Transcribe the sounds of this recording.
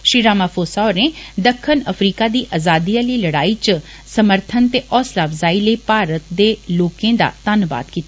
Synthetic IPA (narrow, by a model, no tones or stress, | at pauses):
ʃɾiːɾaːmaːpʰoːsaoːɾneːd̪əkʰːənəpʰɾiːkaːd̪iːʔaːzaːd̪iːaːləiːləɽaːiːt͡ʃ | səməɾt̪ʰənt̪eːʔɔːslaːpʰzaːiːləiːpaːɾət̪̚d̪eːloːkẽːd̪a̰ːt̪ənʋa̰ːt̪kiːt̪a